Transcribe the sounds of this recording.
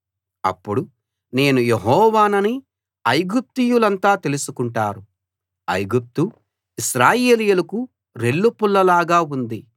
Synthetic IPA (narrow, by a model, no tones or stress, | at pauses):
ɐ̰pːuɽu | ne̞ːnujeɦɔːʋaːnɐni | ɐjɡup̚t̪ijulɐnt̪aːt̪e̞lusukuɳʈaːɾu | ɐ̰jɡup̚t̪u | iʃɾaːje̞ːlijulɐku | ɾe̞ɭːupulːɐlaːɡaːund̪i